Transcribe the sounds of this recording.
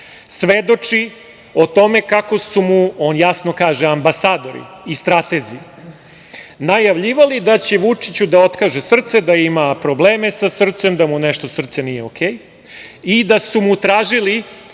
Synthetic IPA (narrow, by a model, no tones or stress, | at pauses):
sʋed̪o̞t͡ʂi | o̞t̪o̞me̞kako̞sumuoːnjasno̞kaːʒeambasaːd̪o̞ɾḭ | ist̪ɾat̪ezi | najaʋʎiʋalid̪at͡ɕeʋut͡ʂit͡ɕud̪aot̪kaʒesr̩t̪se̞d̪aimapɾo̞bleːmesasr̩t̪se̞md̪amuneʃt̪o̞sr̩t̪senijeokʰeːj | id̪asumut̪ɾaːʒili